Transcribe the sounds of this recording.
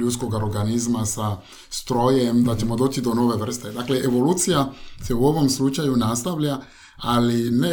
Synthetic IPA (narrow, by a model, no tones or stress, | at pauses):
ut̪sko̞ɡaɾoɾɡanizmasa | st̪ɾo̞jemd̪at͡ɕe̞mo̞d̪o̞ːt͡ʃid̪o̞no̞ʋe̞ʋr̩st̪e̞d̪akle̞ʔeʋo̞luːt̪sijase̞uo̞ʋo̞mslut͡ʃajunast̪aʋʎa | aline